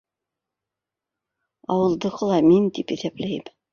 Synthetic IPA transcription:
ɑ̰wɤ̆lˠd̪ɤ̆ʁɤ̆lˠɑmint̪ipɘθæplæjɘm

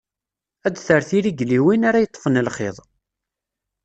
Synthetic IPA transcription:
æd̪θəɾθiɾiɡliwinaɾajət̪ˤːfənlχḛðˤ

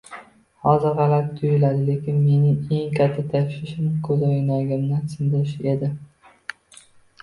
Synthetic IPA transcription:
hɒzɪɾʁɑlaɾ̚t̪ʰʊjɪlad̪ɪle̞kʲɪnme̞nɪŋe̞ŋkʲʰat̪ʰːat̪ʰaʃɪʃɪmkʰɵzojnaɡʲɪmnɪsɪnd̪ɪɾɪʃe̞d̪ɪ

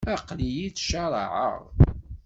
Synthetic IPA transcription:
æqlijit͡sːʃɑɾˤɑ̰ʕə̰ʁ

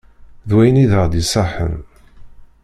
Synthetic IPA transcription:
ðwæjəniðəʁd̪isˤɑħə̰n

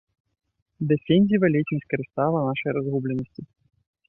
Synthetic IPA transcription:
d̪ɛfʲenʲzʲivɐlʲet͡ʃnəsʲkɐɾɨst̪alˠɐnaʂɐjɾazɣublʲɛnɐsʲt͡sʲi

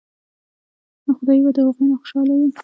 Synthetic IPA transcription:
axʊd̪ɑjbad̪əhaɣunaxʊ̥ʃɑlawi

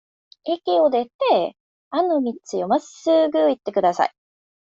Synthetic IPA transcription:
ekʲio̞d̪e̞t̪e | anomʲit͡sɨjomasɨɡɯit̪ːe̞kɯ̟d̪asa̰i

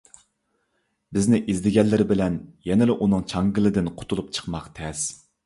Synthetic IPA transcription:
bɪznɪʔizd̪ɪɡʲɛnlːɪɾɪbɪlɛnjɛnɪlɪʔunɨŋt͡ʃʰɑŋɡʲɪlɪd̪ɪnqʰʊ̥t̪ʰulˠup̚t͡ʃʰə̥qmɑqt̪ʰɛs

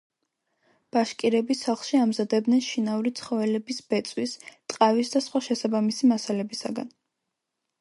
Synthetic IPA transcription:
b̥aʃkʼiɾɛbisaχlˠʃiamzad̪ɛb̚d̪nɛnʃinauɾit̪sʰχɔvɛlɛbisbɛt̪sʼwist̪ʼqʼavisd̪asχwaʃɛsabamisimasalɛbisaɡa̰n

